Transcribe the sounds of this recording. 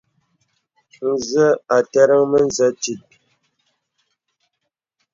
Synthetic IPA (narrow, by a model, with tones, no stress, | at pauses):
n̩˨zə˦a˨tɛ˦ɾə˦ŋmə˦n˦zə˦ti˨t̚